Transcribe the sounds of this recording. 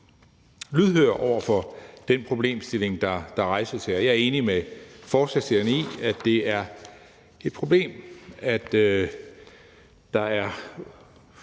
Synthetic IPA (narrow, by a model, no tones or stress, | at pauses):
lyðˠɦøːɐ̰ʔɒʊ̰ɐfɒ̽d̥enpʰʁo̝b̥le̝̰ːmsd̥e̝le̝ŋd̥ɑ̈d̥ɑ̈ʁɑ̈ɪsɐsʰeɐjɑ̈æɐe̝ːnimefɒːsæ̥seɐnḭæ̥e̝æɐ | e̝d̥̚pʰʁo̝b̥le̝̰ːmæd̥ | d̥ɑ̈æɐ